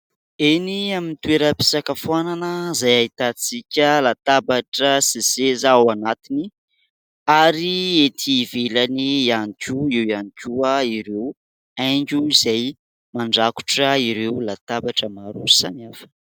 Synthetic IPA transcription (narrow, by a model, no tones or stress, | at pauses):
eniaminit̪ueɾəpi̥sakəfananəzajait̪at͡sikʲəlat̪abaʈ͡ʂəsisezawanat̪ini | aɾiet̪ʰivelanianikʲuewianikʲuaiɾew | ajŋɡuizaj | maɳɖ͡ʐaku̥ʈ͡ʂəiɾewlat̪abaʈ͡ʂəmaɾusanafə̥